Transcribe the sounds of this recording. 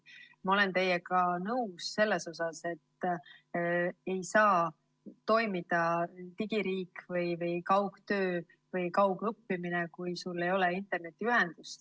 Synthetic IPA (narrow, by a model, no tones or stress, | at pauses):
mɑo̞le̞nt̪e̞jːekɑnɤwsːe̞lːe̞so̞sɑse̞t̪ː | e̞jsɑː | t̪o̞jmid̪̥ɑt̪iɡ̥iɾiːkvɤjvɯjkɑwɡt̪øː | vɯjkɑwɡrupːiminekujsulːe̞jo̞leint̪ˑe̞rne̞t̪ːˑiyɦe̞nd̪̥ust̪